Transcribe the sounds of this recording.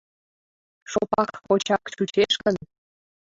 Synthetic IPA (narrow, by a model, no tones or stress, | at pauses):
ʃopɑkkot͡ɕɑkt͡ɕut͡ɕeʃkən